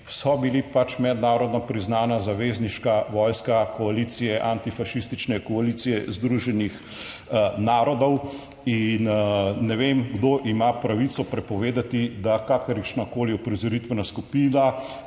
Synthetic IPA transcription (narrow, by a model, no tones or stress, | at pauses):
sɔbilipat͡ʃmɛd̪naːɾɔd̪nɔpɾiznaːnazaʋeːzniʃkaʋɔːjskakɔaliːt̪sijɛʔant̪ifaʃist̪it͡ʃnɛkɔalit̪sijɛzd̪ɾuʒɛnix | naːɾɔd̪ɔw | innɛʋemɡd̪oʔimapɾaʋit̪sɔpɾɛpɔʋeːd̪at̪id̪akakəɾiʃnakoːliɔpɾizɔɾit̪ʋɛnaskupiːna